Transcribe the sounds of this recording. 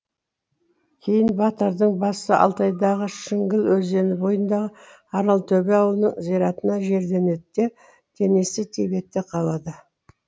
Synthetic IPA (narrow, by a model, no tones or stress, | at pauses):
kʲʰe̞jɪnbɑt̪əɾd̪əɴbɑsəʔɑ̰lˠt̪ɑjd̪ɑʁəʃɪŋɡʲɪlwɵze̞nɪbo̞jənd̪ɑʁə | ɑɾɑlˠt̪ʰɵbe̞ɑwəlˠənəɴzijɾɑt̪ənɑʒe̞ɾd̪e̞ne̞t̪ːe | t̪ʰe̞me̞sɪt̪ʰebe̞t̪ːeqʰɑlˠɑd̪ə